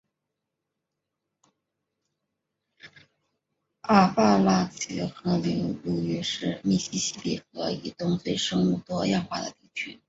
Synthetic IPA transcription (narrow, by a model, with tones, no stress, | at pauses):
a˥˩pa˥˧la˥t͡ɕɛ˧˥xɤ˧˥li˧˥ŋlu˥˩ɛ˥ʂɻ̩˥˧mi˥˩ɕi˥ɕi˥lḭ˥˨˩xɤ˧˥ḭ˨˩t̪ʊ˥ŋt͡swe˥˩ɪʂɤ˥ŋu˥˩t̪wɔ˥jɑ˥˧ŋxwa̰˥˩d̪ə̰˩t̪i˥˩t͡ɕʰy˥